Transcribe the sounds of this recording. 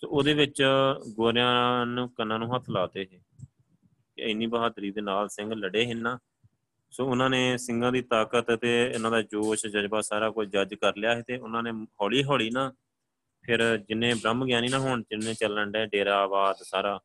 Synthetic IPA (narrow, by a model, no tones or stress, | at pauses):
so̰ːoːd̪eːʋɪt͡ʃɡoːɾɪjãːnũːkənːãːnũːɦət̪ʰlaːt̪eːɦeː | kɪəniːbəɦaːd̪ɾiːd̪eːnaːlsɪ̃ŋɡləɽeːɦɪnːaː | soːʊnãːneːsɪ̃ŋɡãːd̪iːt̪aːkət̪t̪eːʊnãːd̪aːd͡ʒoːʃd͡ʒəd͡ʒbaːsaːɾaːkʊd͡ʒəd͡ʒkəɾlɪjaːɦeːt̪eːʊnãːneːɦɔːliːɦɔːɭiːnaː | pʰɪɾd͡ʒɪnẽːbɾəmɡjaːniːnãːɦʊɳd͡ʒɪnːẽːt͡ʃələɳɖɛːɖeːɾaːbaːd̪saːɾaː